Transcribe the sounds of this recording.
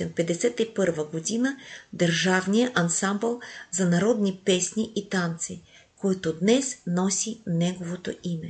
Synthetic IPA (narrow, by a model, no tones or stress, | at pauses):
ɛmpɛd̪ɛsɛt̪ipɤɾvɐɡod̪inəd̪əɾʒavnijəʔɐnsambɛlˠzanaɾɔd̪nipɛsniʔit̪ant̪si | kɔjt̪od̪nɛsnɔsinɛɡovot̪oimɛ